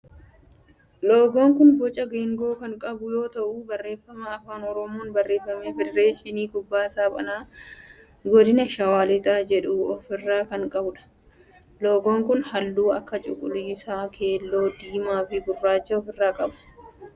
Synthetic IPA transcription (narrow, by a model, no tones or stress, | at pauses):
loːɡoːŋkʊnbɔt͡ʃʼɐɡeːŋɡo̞ːkɐŋkʼɐbʊjo̞ːt̪ɐʔuːbɐrːe̞ːfːɐmɐːfaːnɔɾɔmoːnbɐrːe̞ːfːɐmeːfɪrːe̞ːʃɪniːkʼʊbːaːsaːpʼɐ̰naː | ɡɔd̪ɪnɐʃɐwaːlɛt̪ʼaːd͡ʒɛᶑuːɔfɪrːaːkɐŋkʼɐbʊᶑɐ̥ | lo̞ːɡoːŋkʊnhɐlːuːɐkːɐt͡ʃʼʊ̰kʼʊliːsaːkʰe̞ːlːo̞ːd̪iːmaːfɪɡʊrːaːt͡ʃːɐɔfɪrːaːkʼɐbʊ̥